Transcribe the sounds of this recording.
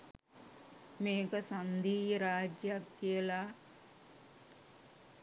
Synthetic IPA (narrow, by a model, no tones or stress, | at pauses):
meːkəsand̪ʱiːɾaːd͡ʒjakːijəla